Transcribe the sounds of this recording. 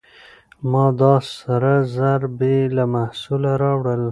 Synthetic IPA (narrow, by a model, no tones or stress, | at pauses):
mɑd̪ɑsaɾazaɾbelamahsulaɾɑwɽəl